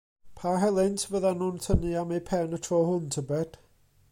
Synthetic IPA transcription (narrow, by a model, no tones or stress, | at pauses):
pʰaɦɛlˠɪntʰəvəðanuːntʰəniamejpʰɛnətʰrɔːhʊntʰəbɛd̥